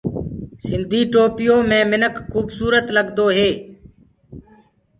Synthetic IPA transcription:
sɪnd̪ʱiːʈoːpɪjõːmẽːmɪnəkːuːbsuːɾət̪ləɠd̪oːɦeː

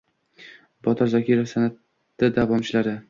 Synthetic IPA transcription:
bɒt̪ʰɪɾzakʲʰiɾofsanat̪ː | ad̪avɒmt͡ʃʰɪlaɾɪ

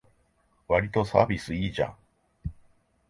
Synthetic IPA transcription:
βaɾʲit̪o̞sa̰ːbʲisɨiːʑã̰

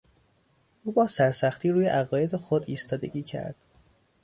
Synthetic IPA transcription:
ʔuːbɒːsæɾsæxt̪ʰiːɾuːjeʔæɣɒːje̞d̪exod̪iːst̪ʰɒːd̪e̞̰ɡiːcʰæ̰ɾd̪̥

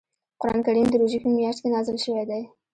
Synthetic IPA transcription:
qʊɾɑnkaɾimd̪əɾuʒikəmjɑʃt̪̚kenɑzɪlʃəwed̪aj

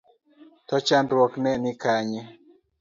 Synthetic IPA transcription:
tɔt͡ʃandwɔknɛnɪkaɲe

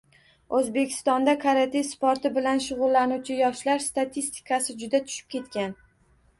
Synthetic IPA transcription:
ʔɵzbe̞kʲʰɪ̥st̪ɒnd̪akʰaɾat̪ʰefspoɾt̪ɪbɪlanʃʊʁʊlˠːanuwt͡ʃʰɪjɒʃlaɾst̪at̪ʰist̪ʰɪ̥kʰasɪd͡ʒʊd̪at̪ʰʊ̥ʃɪ̥p̚kʲe̞t̪kʲan

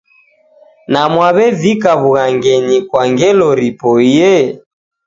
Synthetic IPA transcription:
namwaβɛvikaβuɣaŋɡɛɲikwaŋɡɛlɔɾipɔiɛ

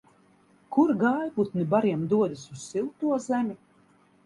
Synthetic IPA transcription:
kuɾɡaːjput̪nibaɾiɛmd̪uɔd̪ɨsusːilˠt̪uɔzæmʲi

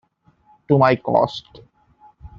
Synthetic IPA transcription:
ʈumajkɔ̰sʈ

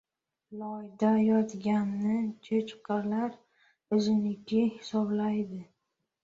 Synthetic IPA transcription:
lɒjd̪ajɒt̪ɡʲanːɪt͡ʃʰet͡ʃqʰɑlaɾ | ɵzɪnɪkʲʰɪhɪsɒblajd̪ɪ

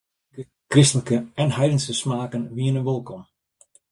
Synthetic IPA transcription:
ə | krɪstələkəɛnhɛjdənsəsmaːkənʋiənəʋolˠkɔm

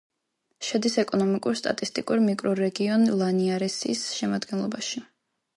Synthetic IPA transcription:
ʃad̪isɛkʼɔnɔmikʼuɾst̪ʼa̰t̪ʼist̪ʼḭkʼuɾmikʼɾɔɾɛɡiɔnlˠaniaɾɛsḭsʃɛmad̪ɡɛnlˠɔbaʃi

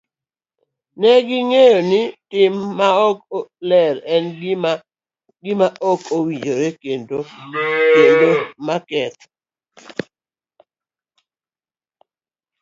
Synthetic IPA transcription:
nɛɡɪŋejonɪtɪmːaɔklɛɾɛnɡa | ɡɪmaʔɔkowid͡ʒoɾɛkendokendomakɛt̪

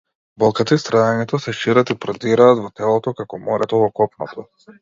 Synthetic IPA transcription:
bɔlˠkat̪aist̪ɾad̪aɲɛt̪ɔsɛʃiɾat̪ipɾɔd̪iɾaːt̪vɔt̪ɛlˠɔt̪ɔkakɔmɔɾɛt̪ɔvɔkɔpnɔ̰t̪ʰɔ

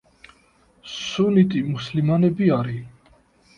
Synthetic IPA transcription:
sunit̪ʼimuslimanɛbiaɾi

